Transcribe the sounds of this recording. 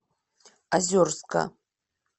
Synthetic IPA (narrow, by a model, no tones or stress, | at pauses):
azʲorskʰa̰